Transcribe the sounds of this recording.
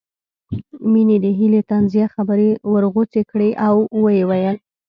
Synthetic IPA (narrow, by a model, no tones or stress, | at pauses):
mined̪əɦilet̪anzijaxabəɾewəɾɣot͡sekɽeʔawwəjewajəl